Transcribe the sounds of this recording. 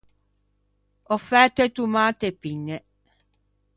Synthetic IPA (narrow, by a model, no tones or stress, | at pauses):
ɔfɛt̪et̪umat̪epinːɛ